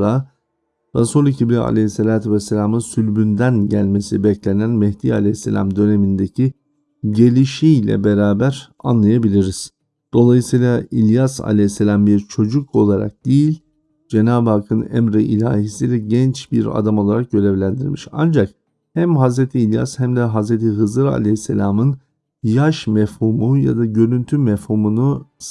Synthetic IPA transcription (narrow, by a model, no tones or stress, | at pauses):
a | ɾasulˠicʰiblʲia̰lʲesːelʲaːt̪ʰuvɛsːelʲamɯnsylʲbynd̪ænɟælʲme̞sibɛclʲe̞nænmɛht̪iːalʲejsːḛlʲa̰md̪ø̞ne̞mind̪ecʰi | ɟe̞lʲiʃijlʲɛ̰beɾaːbæɾa̰nlˠajabilʲiɾiz̥ | d̪̥o̞lˠajɯsɯjlˠailʲjasa̰lʲesːelʲambiɾt͡ʃʰo̞d͡ʒukʰo̞lˠaɾa̰k̚d̪̥ejilʲ | d͡ʒenaːbakʰɯnɛ̰mɾɛʔilʲa̰ːhisid̪ʲɛɟɛnt͡ʃbiɾa̰d̪amo̞lˠaɾak̚ɟø̞lʲevlʲænd̪iɾmiʃa̰nd͡ʒak̚ | hæmɦazɾet̪ʰiːlʲja̰shæmd̪ɛɦazɾet̪ʰiɦɯzɯɾa̰lʲehisːḛlʲamɯn | jaʃmɛfhumuja̰d̪aɟø̞ɾynt̪ʰymɛfhumunu